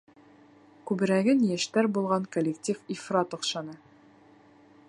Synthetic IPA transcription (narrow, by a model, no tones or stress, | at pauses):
kʉbɘ̆ɾæɡɘnjæʃt̪æɾbulˠʁɑŋkolʲektʲififrɑt̪ŏqʃɑnɤ